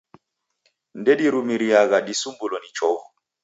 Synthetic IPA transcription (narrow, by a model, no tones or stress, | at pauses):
ndeɗiɾumiɾijaɣaɗisumbulɔnit͡ʃɔw